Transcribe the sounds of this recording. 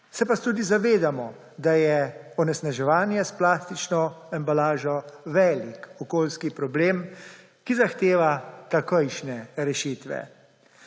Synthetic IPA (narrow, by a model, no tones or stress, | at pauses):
sɛpat̪uːd̪izaʋeːd̪amɔ | d̪ajɛɔnɛsnaʒɛʋaːnjɛsplaːst̪it͡ʃnɔɛmbalaːʒɔʋɛːlikɔkoːlskipɾɔbleːm | kizaxt̪eːʋat̪akəjʃnɛɾɛʃiːt̪ʋɛ̰